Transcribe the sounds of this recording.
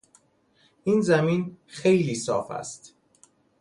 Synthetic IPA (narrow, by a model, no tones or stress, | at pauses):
ʔiːnzæmiːnxe̞jliːsɒːfæ̰st̪